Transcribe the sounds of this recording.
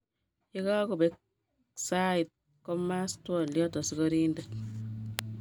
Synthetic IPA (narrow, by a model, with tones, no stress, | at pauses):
i˦ka˦ku˨bek̚ | sai˨t̚ | kɔ˦ma˦stwɔ˨ljɔ˦tɔ˨sikɔɾiːnde˨t